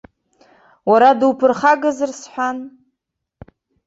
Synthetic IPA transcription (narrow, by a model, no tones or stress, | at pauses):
waɾadɨwpʰɨrχaɡɨzɨrsħʷᶣan